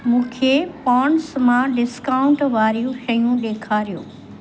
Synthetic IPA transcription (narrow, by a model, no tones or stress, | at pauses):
mũːkʰepaːɳsmãɖɪskaːʊ̃ɳʈʋaːɾjũʃɐjũɗ̪eːkʰaːɾijoː